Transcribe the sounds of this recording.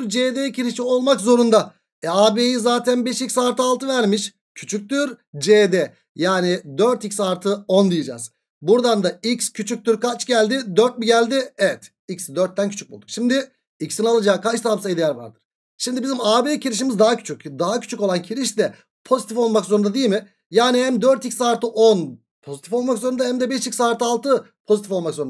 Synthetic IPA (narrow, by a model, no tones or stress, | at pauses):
ɾd͡ʒeːd̪ecʰiɾiʃio̞lˠmakzo̞ɾund̪a | ɛaːbejizaːt̪ʰænbɛʃicsaɾt̪ʰɯalˠt̪ʰɯvæɾmiʃ | cʰyt͡ʃʰyc̚t̪yɾd͡ʒed̪ɛ | jaːnɪd̪øɾt̪icʲsaɾt̪ʰɯo̞nd̪ijid͡ʒa̰z̥ | buɾd̪and̪aicscʰyt͡ʃʰyc̚t̪yɾkat͡ʃɟælʲd̪ɪd̪øɾt̪̚biɟælʲd̪ɪɛvɛt̪ | icsd̪øɾt̪̚ːæncʰyt͡ʃʰyc̚bulˠd̪ukʃimd̪ɪ | icsinalˠad͡ʒaːkʰat͡ʃt̪ʰamsajd̪ijæɾva̰ɾd̪ɯɾ̥ | ʃimd̪ibizimaːbeːcʰiɾiʃ̬imizd̪aɦacʰy̥t͡ʃʰycd̪aɦacʰy̥t͡ʃʰykolˠancʰiɾiʃd̪ɛ | pʰo̞zit̪ifo̞lˠmakso̞ɾund̪ad̪ijilʲmɪ | jaːnihæmd̪øɾt̪icsaːɾt̪ʰɯʔon | pʰo̞zit̪ʰifo̞lˠmakso̞ɾund̪ahæmd̪ɛbɛʃicsaːɾt̪ʰɯalˠt̪ʰɯ | pʰo̞zit̪ʰifo̞lˠmakso̞ɾun